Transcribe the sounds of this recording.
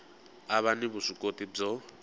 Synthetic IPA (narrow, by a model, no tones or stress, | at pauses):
aβaniβuʂʷukʼotʼib͡ʐɔ